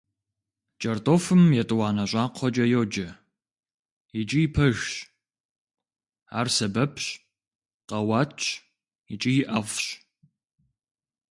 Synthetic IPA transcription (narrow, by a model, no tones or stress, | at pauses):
t͡ʃʼɐrtʼoːfɨmjɛtʼwɑːnɐɕʷʼɑːqʷʰɔd͡ʒɐjoːd͡ʒɐ | jit͡ʃʼijɪpʰɐʒɕ | a̰ːrsɐbɐpʰɕʼ | qʼɐwɑːtt͡ʃʰ | jɪt͡ʃʼijɪʔɐʁʷɕ